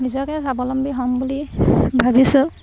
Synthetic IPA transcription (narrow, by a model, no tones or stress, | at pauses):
nizɔkɛsabɔlɔmbiɦɔmbulibʱabisʊ̃